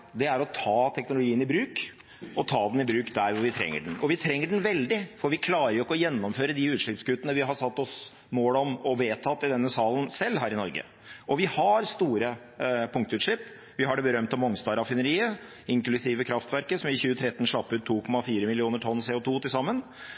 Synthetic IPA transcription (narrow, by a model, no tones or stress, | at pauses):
d̪ɛæɾɔt̪ʰɑːt̪ʰɛknʊlʊɡiːənɪbɾʉːk | ɔt̪ʰɑːd̪nɪbɾʉːkd̪æɾʋʊɾʋɪt̪ʰɾɛ̰ŋːə̰ɖɛn̩ɔʋɪt̪ʰɾɛŋːəɖɛn̩ʋɛld̪ɪfɔɾʋɪkʰlɑːɾəjʊkːɔjɛnːɔmføːɾəd̪ɪʉːt̪ʂɭɪpskʉt̪ːənəʋɪɦɑɾsɑt̪ːɔs | moːlɔmɔʋeːt̪ʰɑt̪ːɪd̪ɛnːəsɑːlənsɛlːɦæːɾɪnɔɾɡə̰ | ʔɔʋɪhɑɾst̪uːɾə | pʰʊŋk̚t̪əʉːt̪ʂɭɪpː | ʋɪɦɑɖɛbəɾœmt̪ɑmɔŋst̪ɑːɾɑfɪnəɾiːə | ɪŋklʉsiːʋəkʰɾɑft̪ʋæɾkəsɔmɪçʉːət̪ʰɾɛt̪ːnʂɭɑpːʉːt̪ʰːuːkʰɔmɑfiːɾəmɪlɪuːnəʈʰɔnːseːʊt̪ʰuːt̪ʰɪlsɑmːən